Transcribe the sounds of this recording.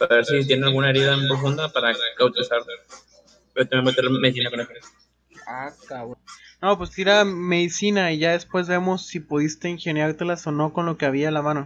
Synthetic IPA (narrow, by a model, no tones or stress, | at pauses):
paβeɾsit̪̬jenealɣunaeɾiðampɾo̞fund̪apaɾakawt̪eisaɾ | bet̪emembot̪eɾlmeðis̬inakoneseɾe | akawnopwe̞st̪iɾame̞ðisinaiʝaðe̞spwe̞zβe̞mo̞sːipoðist̪e̞inxe̞njaɾt̪e̞laso̞no̞ko̞nlo̞ke̞aβ̞ialamano